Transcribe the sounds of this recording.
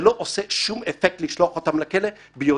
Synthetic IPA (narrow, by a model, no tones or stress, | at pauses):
loʔoseʃumefek̚t̪liʃloaχot̪amlakele | bejo